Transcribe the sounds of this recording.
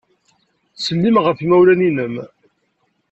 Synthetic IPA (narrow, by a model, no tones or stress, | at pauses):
səlːimʁəfimæwlæninəm